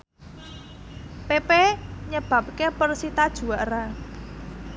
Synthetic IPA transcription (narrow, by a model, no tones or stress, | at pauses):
pepeɲəb̥a̤p̚kepərsit̪ad̥ʒ̥ṳaɾa